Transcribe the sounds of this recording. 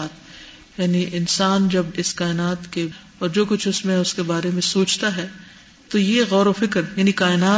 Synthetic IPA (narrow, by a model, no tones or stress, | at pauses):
aːt̪ | jaːniʔɪnsaːnd͡ʒɐbɪskaːɪnaːt̪ke | ɔːɾd͡ʒoːkʊt͡ʃʰʊsmẽʊskebaːɾemẽsoːt͡ʃt̪aɦɛː | t̪ojeɣɔːɾofɪkɾjaːnikaːɪnaː